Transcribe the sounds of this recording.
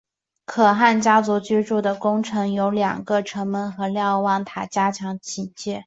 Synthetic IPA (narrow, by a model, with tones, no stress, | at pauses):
kʰɤ˨˩xa˥˩nt͡ɕja˥t͡su˧˥t͡ɕy˥ʈ͡ʂu˥˩d̪ə˩kʊ˥ŋʈ͡ʂʰɤ˧˥ŋjo˧˥ʊljɑ̰˨˩ŋɡə˧ʈ͡ʂʰɤ˧˥ŋmə˧˥nxɤ˧˥ljɑ˥˧ʊwɑ˥˩ŋt̪ʰa˨˩t͡ɕja˥t͡ɕʰjɑ˧˥ŋt͡ɕʰi˨˩nt͡ɕjɛ˥˩